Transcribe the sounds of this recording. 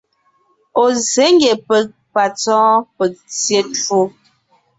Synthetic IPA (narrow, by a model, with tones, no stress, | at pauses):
o˨ze˨˦ŋ˦ɡe˨pə˨k̚ | pa˨t͡sɔ̃ː˦pə˨k̚t͡sje˦to˦